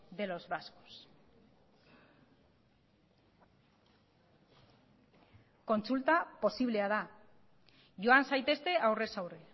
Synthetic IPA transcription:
ðe̞lo̞zβasko̥s | ko̞nt͡sult̪apo̞siβ̞le̞að̞a | ʝo̞ansajt̪e̞st̪e̞ʔawre̞sawre

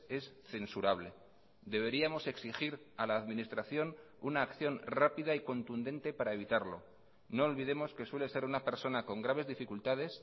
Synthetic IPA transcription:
e̞s | θe̞nsuɾaβle̞ | d̪e̞β̞e̞ɾiamo̞se̞ksixiɾ | alaːðmĩnist̪ɾaθjo̞n | unaːkθjo̞nrapiðaiko̞nt̪und̪e̞nt̪e̞paɾae̞βit̪aɾlo̞̰ | no̞ːlβiðe̞mo̞ske̞swe̞le̞se̞ɾunape̞ɾso̞nako̞ŋɡɾaβ̞e̞zðifikult̪að̞e̞s

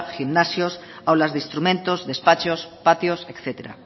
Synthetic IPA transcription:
ximnasjos | awlazðeist̪ɾumẽnt̪ozðespat͡ʃospat̪josekθet̪eɾa̰

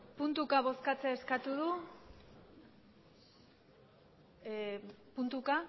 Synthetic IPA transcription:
punt̪ukaβ̞o̞skat͡seːskat̪uð̞u | punt̪uka

